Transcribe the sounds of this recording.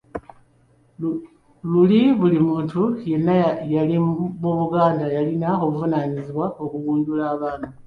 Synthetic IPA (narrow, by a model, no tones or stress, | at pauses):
luliβulimuːntuje̞nːajalimuβuɡaːndajalinao̞βuvunaniziβwao̞kuɣuːɲɟulaːβaːna